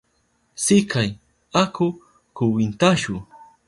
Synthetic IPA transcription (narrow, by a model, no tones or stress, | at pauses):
sɪkaj | akʊ | kʊwɪnt̪aʃʊ